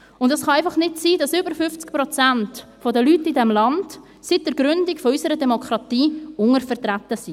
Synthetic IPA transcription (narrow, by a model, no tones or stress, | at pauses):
ʊndɛsχɑaɪfɑχnɪtsiːdɑsʏbəɾfʏft͡skpɾɔt͡sæntfodəlytːidɛmlɑnt | sidəɾɡ̥ɾʏndɪkfɔysəɾədɛmɔkχɾɑtiːʊŋəɾfərtɾatːəsi